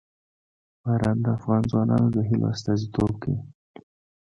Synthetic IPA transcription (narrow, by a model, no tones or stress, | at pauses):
baɾɑnd̪əafɣɑnzwɑnɑ̰nod̪əɦɪlʔo̰ast̪ɑzit̪ʰobke